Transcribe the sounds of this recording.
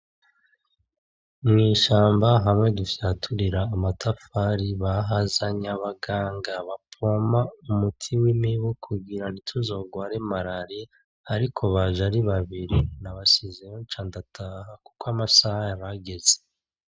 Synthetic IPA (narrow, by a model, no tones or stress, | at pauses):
mŋiːʃaːmbaɦamŋe̞dufjaːtʰuɾiɾaːmatʰafaɾiβaɦazaɲaβaɡaːŋɡaβapʰo̞maumutʰiwimiβukʰuɡiɾanitʰuzo̞ɡwaːɾemaɾaɾe | aɾikʰo̞βaʒaɾiβaβiɾinaβasizeɾot͡ʃaːndatʰahaku̥koamasahajaβaɡe̞ze